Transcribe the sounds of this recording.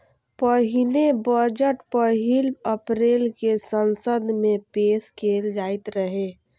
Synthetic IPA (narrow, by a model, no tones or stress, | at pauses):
pəɦinebəd͡ʒəʈpəɦiləpɾeːlkesənsəd̪ʱmẽpeːskʰeːld͡ʒaːɪt̪ɾəɦeː